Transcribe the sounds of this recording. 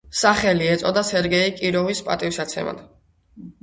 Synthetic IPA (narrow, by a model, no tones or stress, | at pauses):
saχɛliɛt̪sʼɔd̪asɛɾɡɛikʼiɾɔvispʼa̰t̪ʼifsat̪sʰɛ̰ma̰d̪̥